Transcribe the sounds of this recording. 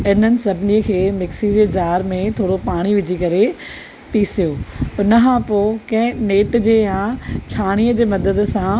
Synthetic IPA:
ɪn̤ənɪ̆sɐbʱɪniːəkʰeːmɪksid͡ʑeːd͡ʑaːɾmẽt̪ʰoːɽopaːɽ̃iʋɪd͡ʑʱikɐɾe | piːsijoːʊnəkʰãpoːkɐ̃ɦɪ̃neːʈd͡ʑeːjãːt͡ɕʰaːɽ̃iːəd͡ʑeːmɐd̪əd̪sã

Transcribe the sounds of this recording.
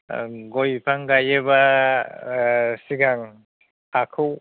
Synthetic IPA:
ɡojpʰaŋɡajeba | siɡaŋ | akʰɯw

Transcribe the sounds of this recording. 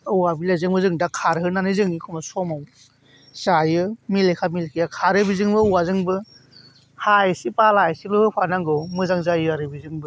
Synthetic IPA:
ɯwabilazɯŋbɯzɯŋdakʰaɾɦɯnanɯjzɯŋnikʰɔmasɔmaw | zajɯmilekʰamilkʰijakʰaɾɯbizɯŋbɯɯwazɯŋbɯ | hajsipalajsilɯhɯpʰanaŋɡɯwmɯzaŋzajɯaɾɯbizɯŋbɯ

